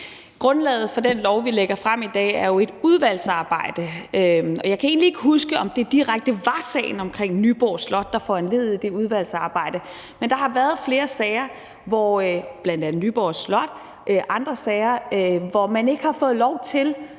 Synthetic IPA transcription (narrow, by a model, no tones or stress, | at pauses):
ɡ̥ʁɔ̽nlɛ̰ːð̩ˠfɒ̽d̥enlɒʊʋileɡ̥ɐfʁam̰id̥ɛ̰ːæɐjo̝e̝d̥uð̞ˠʋæl̰sɑ̈ːb̥ɑ̈ɪ̰d̥əøɒ̽jɑɪkʰæe̝̰ːnlie̝ɡ̥əɦusɡ̥əʔɒ̽md̥e̝d̥iʁaɡ̥̚d̥əʋɑ̈sɛ̰ːɪn̩ɒ̽mkʰʁeŋ̰nyb̥ɒ̰ːslɒ̽d̥ːɑ̈fɒenle̝ð̞̩ˠid̥e̝uð̞ˠʋæl̰sɑ̈ːb̥ɑ̈ɪ̰d̥ə | mend̥ɑ̈hɑ̈ʋæɐð̞̩ˠfle̝ːɐsɛɪɐ | ʋɒb̥lænd̥æn̩nyːb̥ɒ̰ːslɒ̽d̥ | ʔøʔɑ̈nd̥ʁɐsɛɪɐʋɒmæne̝ɡ̥əhɑ̈fɔ̽ːð̞̩ˠlɒʊt͡sʰe̝l